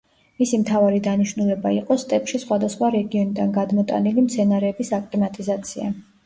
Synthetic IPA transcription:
misimt̪ʰavaɾid̪aniʃnulɛbaiqʼɔst̪ʼɛpʃisχwad̪asχwaɾɛɡiɔnid̪anɡad̪mɔt̪ʼa̰nilimt̪sʰɛnaɾɛːbisakʼt̪ʼimat̪ʼizat̪sʰia

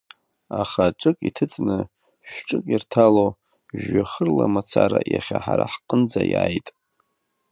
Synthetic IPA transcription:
aχaʈ͡ʂʼɨkʼitʰɨt͡sʼnɨ | ʃᶣʈ͡ʂʼɨkʼirtʰalo | ʒaχərlamat͡sʰaɾajaχʲaħaɾaħqʼənd͡zajajtʼ

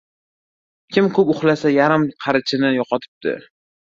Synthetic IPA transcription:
kʲʰɪmkʰɵpʊχlasajaɾɪmqʰɑɾɪt͡ʃʰɪnɪjɒqʰɒt̪ʰɪ̥p̚d̪ɪ̰

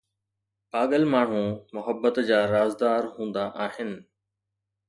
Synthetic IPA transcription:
paːɠəlmaːɳ̤ũmʊɦəbːət̪d͡ʑaːɾaːzd̪aːɾɦũːnd̪aʔaːɦɪnɪ̆

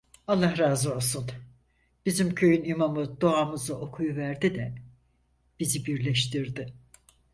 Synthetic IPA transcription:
alˠːahɾaːzɯolˠsun | b̥izimcʰø̞jynimamɯd̪o̞amɯzaʔo̞kʰujuvæɾd̪id̪ɛ | b̥izibiɾlʲɛʃt̪ʰiɾd̪ɪ

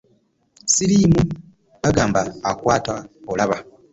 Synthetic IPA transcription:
siɾiːmu | βaɡaːmbaːkwaːtaolaβa

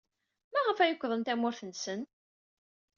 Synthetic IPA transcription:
mæʁəfæjʊkʷːðˤənt̪æmʊɾθənsən

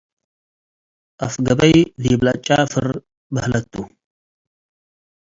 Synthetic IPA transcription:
afɡɐbɐjdijblat͡ʃʼafɨɾ | bɐhlɐt̪ʰʼːu

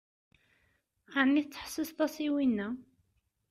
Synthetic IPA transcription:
anːiθt͡sːə̥ħsəst̪ˤɑsiwinːæ

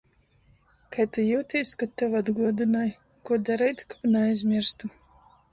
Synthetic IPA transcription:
kajt̪ujuwt̪ʲijskat̪ːavad̪ɡuɔd̪ɨnaːj | kuɔd̪aɾɛjt̪kapnɛajzʲmʲiɾst̪u

